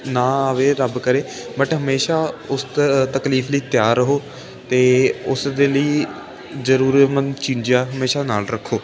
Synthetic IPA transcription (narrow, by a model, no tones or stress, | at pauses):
nãːaʋeːɾəbkəɾeː | bəʈɦəmeːʃaːʊst̪t̪əkliːfʰləiːt̪jaːɾːəɦoː | t̪eːʊsd̪eːləiː | zəɾuːɾmənt͡ʃĩːɲd͡ʒjaːɦəmeːʃaːnaːlɾəkʰːoː